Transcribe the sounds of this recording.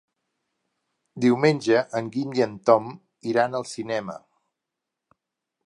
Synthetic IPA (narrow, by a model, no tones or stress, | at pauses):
d̪iwmenʲʒəʔəŋɡind̪iənt̪ɔm | iɾanəlˠsinɛmə̰